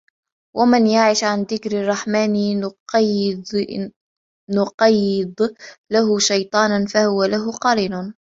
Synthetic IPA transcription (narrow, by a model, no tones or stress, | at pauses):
wʔamɪnjaʕɪʃʕanðɪkɾɪrˤːɑħmaːn | nʊqɑjːɪd̪ˤlaɦʊʃɑjt̪ˤɑːnanfahʊwalaɦʊqɑɾiːnʊn